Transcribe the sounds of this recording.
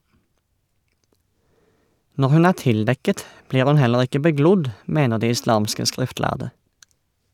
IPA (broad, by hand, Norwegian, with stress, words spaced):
ˈnɔʁ ˈhʉn ˈæː ˈtɪlˌdɛkət ˈbliːʁ ˈhʉn ˈhɛləʁ ˈɪkə bəˈɡlʊd ˈmeːnə ˈdiː ɪˈslɑːmskə ˈskʁɪftˌlæʁdə